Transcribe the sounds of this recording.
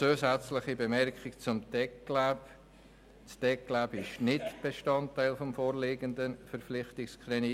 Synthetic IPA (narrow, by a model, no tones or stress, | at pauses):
t͡suːsæt͡sləχibemɛɾkχɪkt͡sʊmtɛklap | stɛkːlabɪʃnɪtb̥eʃtɑntaɪlfɔmfoːɾleːɡəndənfəɾflɪχtɪkskɾɛni